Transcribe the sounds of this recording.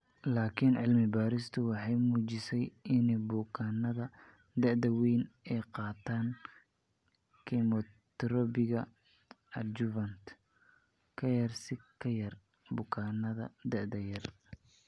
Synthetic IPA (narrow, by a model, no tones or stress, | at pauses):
laːkʰɪnʕɪlmɪbaːɾɪst̪ʰʊwɑħɑjmuːt͡ʃɪsɛjɪnɛjbʊkʰaːnɐðɐ | d̪ɛʕd̪ɐwijnɛjqɑːt̪ʰaːn | kʰɛmɔt̪ɾɔbɪɣɐ | ɐd͡ʒʊvɐnt̪ | kʰɐjɐrsɪkʰɐjɐr | bʊkʰaːnɐðɐd̪ɛʕd̪ɐjɐr